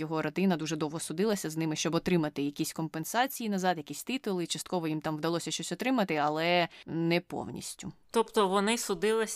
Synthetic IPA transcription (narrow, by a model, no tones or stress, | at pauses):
jɔɦɔɾɐt̪ɪnɐd̪uʒɛd̪ɔwɦɔsʊd̪ɪlˠɐsʲɐznɪmɪʃt͡ʃɔbɔt̪ɾɪmɐt̪ɪjɐkʲisʲkɔmpensɑt͡sʲijinɐzɑd̪jɐkʲisʲt̪ɪt̪ʊlˠɪt͡ʃɐst̪kɔʋɔjimt̪ɑmʋd̪ɐlˠɔsʲɐʃt͡ʃɔsʲɔt̪ɾɪmɐt̪ɪɐlˠɛnɛpɔ̰wnʲḭsʲtʲʊt̪ɔpt̪ɔʋɔnɪsʊd̪ɪlˠɪsʲ